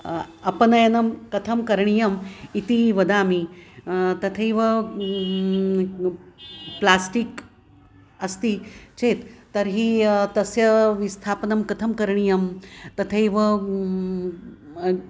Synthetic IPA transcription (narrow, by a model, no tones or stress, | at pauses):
ɐpnɐjɐnɐmkɐt̪ʰɐmkɐɾɳijɐmit̪iːʋɐd̪ami | t̪ɐt̪ʰɐiʋə | plasʈik | əst̪it͡ɕet̪ːəɾɦiːt̪əsjəʋist̪ʰapnɐmkɐt̪ʰɐmkəɾɳijɐmt̪ɐt̪ʰəjʋə